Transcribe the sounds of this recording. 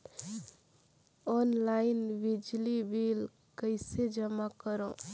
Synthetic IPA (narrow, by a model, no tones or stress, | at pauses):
ɔːnlaɪnʋɪd͡ʒlibiːl | kəɪsed͡ʒəmakəɾõ